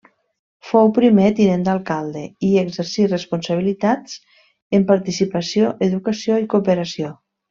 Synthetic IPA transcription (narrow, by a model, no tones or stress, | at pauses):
fowpɾimet̪inend̪alˠkalˠd̪eieɡzəɾsirəspunsaβ̞ilit̪at͡s | əmpaɾt̪isipasioʔeðukasioikupəɾasio